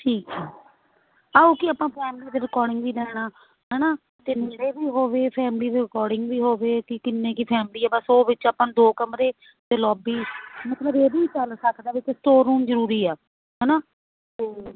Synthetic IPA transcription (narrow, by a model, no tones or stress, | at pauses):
ʈʰiːkɛː | aːuːkɪaːpãːpʰɛːmliːd̪eːɾɪkɔːɾɖɪŋɡʋiːlɛːɽ̃aː | ɦɛːnaː | t̪eːmeːɾeːbiːɦoːʋeːpʰɛːmliːd̪eːɾɪkɔːɾɖɪŋɡʋiːɦoːʋeːkɪkɪnːẽːkɪpʰɛːmliːɛːbəsoːʋɪt͡ʃaːpãːd̪oːkəmɾeː | d̪eːlɔːbiːmət̪ləbeːbiːt͡ʃəlsəkʰd̪aːʋɪt͡ʃsʈoːɾũːmzəɾuːɾiːɛː | ɦɛːnaː | t̪eː